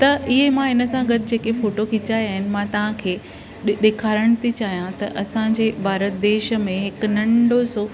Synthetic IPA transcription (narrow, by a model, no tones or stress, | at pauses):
t̪ɐʔɪɦemãɦɪnə̆sãɡɐd̪d͡ʑeːkefoːʈokʰɪt͡ɕaːiaːɦɪnɪ̆mãt̪ɐʋ̤ãkʰeː | ɗeːkʰaːɾəɽ̃t̪ʰit͡ɕaːɦijãt̪ɐʔɐsãɲd͡ʑeːbʱaːɾət̪̚d̪eːʃə̆mẽɦɪk̆nɐ̃ɳɖoso